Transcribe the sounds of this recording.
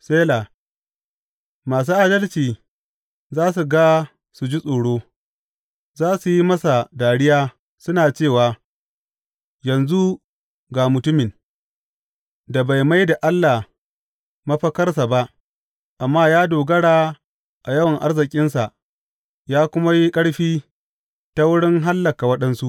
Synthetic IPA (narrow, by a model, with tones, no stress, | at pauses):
seː˦la˨ | maː˨s̬uː˦ʔa˦dɐ˦lt͡ʃiː˨ | zaː˦s̬u˨ɡa˦ | su˨d͡ʒi˦sʼoː˨ɽoː˦ | zaː˦su˨ji˦mɐ˦sa˨daː˨ɽɪ˦jaː˦ | sʊ˦naː˨t͡ʃeː˦˨waː˨ | jɐ˨nzu˦ | ɡaː˨mʊ˨tʊ˦mɪ˨n | da˨ba˨jma˦jda˨ʔa˦lːa˨ | mɐ˦ɸɐ˦kɐ˦rs̬a˨ba˦ʔ | ʔa˨mːaː˦jaː˦doː˨ɡɐ˦ɽaː˨ | ʔa˨jɐ˦wɐ˨ŋʔa˦rzɪ˨kʲʼɪ˦nsa˨ʔ | jaː˦kʷʊ˦ma˦ji˦kʼɐ˦ɽɸiː˦ | ta˦wʊ˦ɽɪ˦ŋɦa˦lːɐ˨ka˨wɐ˦ɗɐ˦nsu˦ʔ